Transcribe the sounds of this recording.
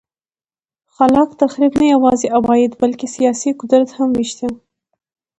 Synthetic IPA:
xalɑkt̪axɾibnajawɑzeʔabɑjɪd̪balkesijɑsikʊd̪ɾat̪hamwiʃt̪e

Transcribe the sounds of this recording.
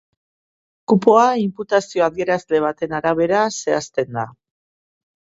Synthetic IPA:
kupo̞aimput̪asioaðie̞ɾazle̞β̞at̪e̞naɾaβ̞e̞ɾase̞ast̪e̞nd̪a

